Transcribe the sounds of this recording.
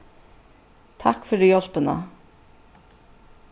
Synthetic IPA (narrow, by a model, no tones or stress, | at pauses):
t̪ʰakfɔɾdijɔl̥pəna̰